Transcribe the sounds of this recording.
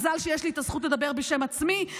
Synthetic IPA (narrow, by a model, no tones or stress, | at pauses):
zalʃejeʃliːt̪az̥χutled̪abeʁbeʃe̞mat͡smi